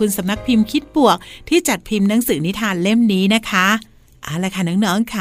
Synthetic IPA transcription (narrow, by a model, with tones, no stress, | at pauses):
u˧nsa˩˦mna˦˥k̚pʰi˧mkʰi˦˥t̪̚bu˨˩ək̚t̪ʰiː˥˩t͡ɕa˨˩t̪̚pʰi˧mna˦˥ŋsɯː˩˦ni˦˥t̪ʰaː˧nle˥˩mniː˦˥na˦˥kʰa˦˥ | ʔaː˨˩laː˧˩jkʰa˧˩nɔ˦˥ŋnɔː˦˥ŋkʰa˧˩